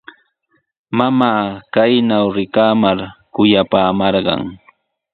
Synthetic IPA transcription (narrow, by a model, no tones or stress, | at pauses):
mamaːkajnawɾɪkaːmaɾkʊjapaːmɑɾɢɑ̰ŋ